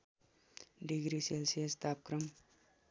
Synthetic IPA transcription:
ɖiɡɾiselsijest̪ap̚kɾɐm

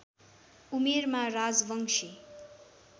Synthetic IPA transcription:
umermarad͡zbʌŋʂʰi

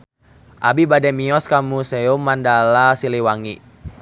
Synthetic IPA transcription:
ʔabibadɛmiɔskamuseumandalasiliwaŋi

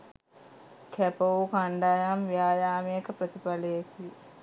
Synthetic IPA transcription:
kʰepokɐɳɖaːjaːmʋjaːjaːmijekːɐpɾɐt̪ipɐlɐjeki

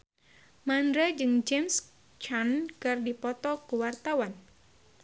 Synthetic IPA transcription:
mandɾad͡ʒɨŋd͡ʒɛms | t͡ʃankɨrdipɔt̪ɔkuwart̪awan

